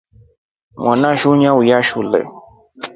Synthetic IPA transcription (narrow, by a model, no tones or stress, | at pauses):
mwanãʃuɲãujaʃulɛ̰